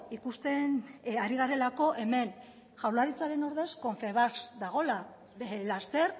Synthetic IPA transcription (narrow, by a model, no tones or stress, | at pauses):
ikust̪e̞naɾiɣ̞aɾe̞lako̞ʔe̞me̞n | ʝawlaɾit͡saɾe̞noɾðe̞sko̞ɱfe̞βasd̪aɣ̞o̞la | last̪e̞ɾ